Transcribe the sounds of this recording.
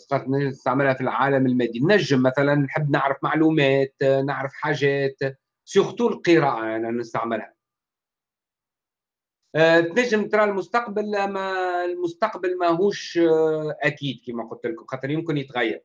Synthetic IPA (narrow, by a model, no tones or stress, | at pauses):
qɑt̪nst̪aʕmɪlhæfilʕaːlæmɪlmɛːd̪inːæʒːɪmːæθælænːħəbːnaʕɾəfmaʕluːmɛːt̪naʕɾəfħaːʒɛːt̪ | suɣt̪uːllqɨɾɑːʔaʔanɛnɪst̪aʕmɪlhæ | t̪næʒːɪmt̪ɾˤɑːlmʊst̪ɑqbalʔæmælmʊst̪ɑqbalmɛɦuːʃ | ʔækiːd̪̚kiːmæqʊlt̪əlkʊmxɑːt̪ˤəɾjʊmkɪnjɪt̪ɣajːɑ̰ɾˤ